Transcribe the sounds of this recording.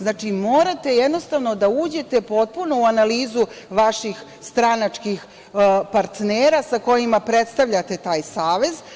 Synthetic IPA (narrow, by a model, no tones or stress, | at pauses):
znaːt͡ʃimo̞ːɾat̪e̞jed̪no̞st̪aʋno̞d̪auːd͡ʑe̞t̪e̞po̞t̪̚punouanaliːzuʋaʃix | st̪ɾanat͡ʂkix | paɾt̪neːɾasako̞jimapɾet̪st̪aʋʎat̪e̞t̪aːjsaːʋe̞z